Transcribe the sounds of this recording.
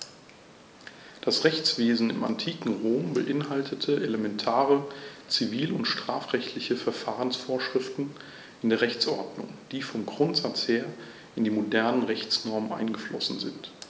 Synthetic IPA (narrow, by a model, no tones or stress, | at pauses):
d̥asʁɛçt͡sv̥eːzn̩ɪ̰ma̰ntʰiːkŋ̩ʁoːmbəʔɪnɦaltʰətʰəʔeləmɛntʰaːʁət͡siviːlʊntʃtʁ̥aːfʁ̥ɛçtʰlɪçəfɛɐfaːʁənsfoːɐʃʁ̥ɪftn̩ | ɪndeːɐʁɛçt͡sʔɔɐdnʊ̰ŋd̥iːfɔmɡʁʊntz̥at͡sheːɐ | ʔɪndiːmodɛɐnənʁɛçt͡snɔɐmənʔa̰ɪnɡəflɔsn̩zɪnt